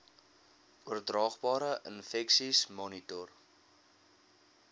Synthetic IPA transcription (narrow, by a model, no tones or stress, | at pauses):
uərdrɑːχbɑːɾəʔənfɛksismɔnitɔr